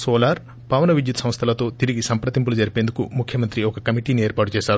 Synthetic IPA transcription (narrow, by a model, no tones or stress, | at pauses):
soːlaːɾ | pɐːʋnɐʋid͡ʒjut̪ɐsɐm̃st̪ʰɐlɐt̪o̞ːt̪iɾiɡisɐmpɾɐt̪imp̬ulud͡ʒɐɾipeːnd̪ukumukʰjɐmɐnt̪ɾiɔkɐkɐmiʈiːnieːɾpaːʈut͡ʃɛːʃaːɾu